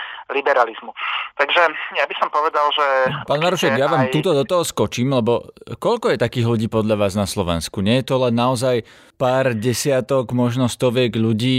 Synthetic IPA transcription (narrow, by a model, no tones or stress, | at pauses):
libɛɾalizmut̪aɡʒɛjabisɔmpɔʋɛd̪alʒɛpaːnmaɾuʃɛɡjaʋaːmuːt̪ɔd̪ɔt̪ɔɦɔskɔt͡ʃiːmlɛbɔkɔʎkɔjɛt̪akiːɣʎuɟiːpɔd̪ʎaʋaːznaslɔʋɛ̰nskuɲɛjɛt̪ɔlɛnːaɔzaj | paːɾɟɛsɪat̪ɔɡmɔʒnɔst̪ɔʋɛɡʎuɟiː